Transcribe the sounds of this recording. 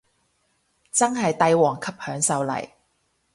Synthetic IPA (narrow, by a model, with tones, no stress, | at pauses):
t͡sɐ˥ŋɦɐ˨jt̪ɐ˨˧jwɔː˨˩ŋkʰɐ˨p̚hœː˨˥ŋsɐ˨wlɐ̰˨˩j